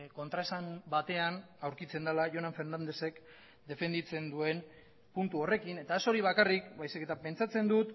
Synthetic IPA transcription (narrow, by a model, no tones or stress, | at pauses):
ko̞nt̪ɾaesambat̪e̞anawɾkit͡se̞nd̪alaʝo̞naɱfe̞ɾnand̪e̞se̞k | d̪e̞fe̞nd̪it͡se̞nd̪ue̞n | punt̪uo̞re̞kine̞t̪ae̞so̞ɾiβ̞akarikbajsike̞t̪ape̞nt͡sat͡se̞nd̪ut̪